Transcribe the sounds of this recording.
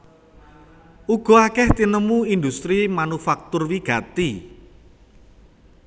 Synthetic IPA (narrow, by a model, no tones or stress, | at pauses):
ʔuɡ̥ɔ̤akɛht̪inəmuind̪ust̪ɾimanufak̚t̪ʊrwiɡ̥ä̤t̪i